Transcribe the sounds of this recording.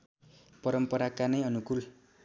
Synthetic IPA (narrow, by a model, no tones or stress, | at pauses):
pʌɾʌmpʌɾakanʌjʌnukul